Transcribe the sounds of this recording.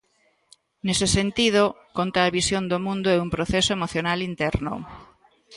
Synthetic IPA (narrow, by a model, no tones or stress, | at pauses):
nesesent̪ið̞o | kont̪aːβisjond̪omũnd̪oɛumpɾoθɛsoemoθjonalint̪ɛɾno̰